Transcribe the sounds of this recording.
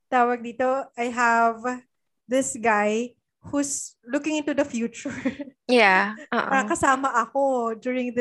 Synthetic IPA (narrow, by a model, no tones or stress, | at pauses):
t̪aːwɐɡ̚d̪iːt̪oajɦɐv | d̪ɪsɡaj | huslukɪ̃ŋɪnt̪ud̪ɐfjuːt͡ʃʊɹjaʔo̰ʔaɾɐkɐsaːmɐʔɐkod͡ʒ̪uɹɪ̃ŋd̪